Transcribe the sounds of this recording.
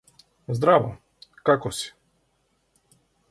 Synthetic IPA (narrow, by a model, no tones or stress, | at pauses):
zd̪ɾava̰ | kakɔsi̥